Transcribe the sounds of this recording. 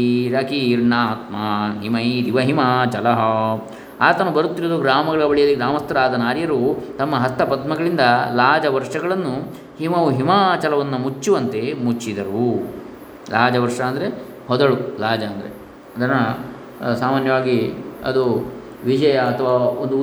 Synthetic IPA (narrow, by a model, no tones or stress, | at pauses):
ɾaːkiiɾɳaːɦɐt̪maɦimɐid̪iʋɐɦimɐt͡ʃɐlɐɦɐ | aːt̪ɐnubɐɾut̪ːiɾod̪uɡɾaːmɐɡɐɭɐbɐɭijɐliɡɾaːmɐst̪ɐɾaːd̪ɐnaːɾjɐɾut̪ɐmːɐɦɐst̪ʰːɐpɐd̪mɐɡɐɭind̪ɐlaːd͡ʒɐʋɐɾʂɐɡɐɭɐnːu | himɐʋuɦimat͡ʃɐlɐʋɐnːumut͡ʃːuʋɐnt̪e̞mut͡ʃːid̪ɐɾu | laːd͡ʒɐʋɐɾʂɐːnd̪ɐɾe | hɔd̪ɐɭulaːd͡ʒɐːnd̪ɐɾḛ | ɐd̪ɐnːɐ | saːmaːnjɐʋaːɡiɐ̰d̪u | ʋid͡ʒɐjɐːt̪ʰɐʋaːond̪u